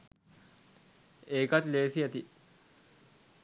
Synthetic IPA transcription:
eːkɐt̪leːsiɐt̪i

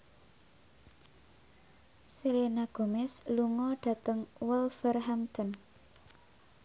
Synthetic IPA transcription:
selenaɡ̥o̤mɪsluŋɔɖ̥ä̤t̪əŋwɛlfərɦamt̪ən

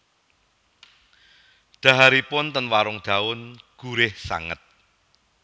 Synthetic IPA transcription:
d̪̥ä̤ɦaɾipʊnt̪ənwaɾʊŋɖ̪̥ä̤ʊnɡ̥uɾɪhsa̰ŋə̰t̪̚

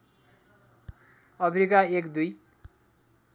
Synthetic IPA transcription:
ʌmeɾikaekd̪uj

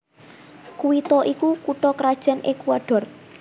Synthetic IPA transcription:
kuwit̪ɔʔikukuʈɔkɾad̥ʒ̥ɛnʔekuaɖ̥ɔ̤r

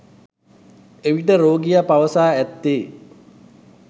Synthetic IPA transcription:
eʋiʈəɾoːɡijapaʋəsaːæt̪ːeː

